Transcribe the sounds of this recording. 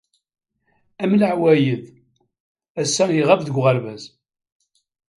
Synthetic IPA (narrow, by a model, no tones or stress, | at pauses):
æmləʕwæjəð | æsːænjiʁævðəɡʷʁalvæz